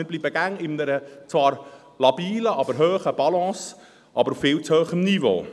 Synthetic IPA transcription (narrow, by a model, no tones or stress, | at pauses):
ən̚bliːbəɡæŋɪndəɾət͡svɑːɾ | lɑbiːləʔɑbəɾɦøːχəb̥ɑlɑ̃ːs | ʔɑbəɾufɪːlt͡shøːχəmnivo̰ː